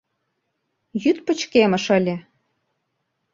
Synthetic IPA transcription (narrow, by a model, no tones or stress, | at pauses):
jyt̪pə̆t͡ɕkemə̆ʃə̆lʲĕ